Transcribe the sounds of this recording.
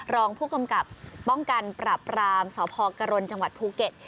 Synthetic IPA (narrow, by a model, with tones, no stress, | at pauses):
ɾɔː˧ŋpʰuː˥˩ka˧mka˨˩p̚ːɔ˥˩ŋka˧npɾaː˨˩pɾaː˧msɔː˩˦pʰɔː˧ka˧ɾo˧nt͡ɕa˧ŋwa˨˩t̪̚pʰuː˧ke˨˩t̪̚